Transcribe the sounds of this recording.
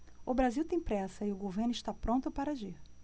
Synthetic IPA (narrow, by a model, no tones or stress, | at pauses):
ʊbɾaziwt̪ẽj̃pɾɛsɐɪʊɡoveɾnʊɪʃt̪apɾõnt̪ʊpaɾaʒiɾ